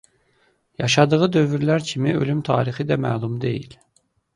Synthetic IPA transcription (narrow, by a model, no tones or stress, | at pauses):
jɑʃɑd̪ɯʁɯd̪ø̞vyɾlæɾcʰimiø̞̰lymt̪ʰɑ̰ːɾixid̪æmæ̰ːlˠumd̪e̞jḭl